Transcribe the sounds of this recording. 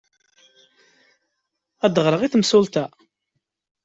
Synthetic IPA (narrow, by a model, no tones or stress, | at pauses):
æd̪əʁɾəʁiθmsʊlt̪æ